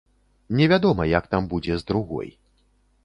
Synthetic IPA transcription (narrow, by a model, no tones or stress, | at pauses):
nʲɛvʲad̪ɔmɐjak̚t̪ambud͡zʲɛzd̪ɾuɣɔ̰j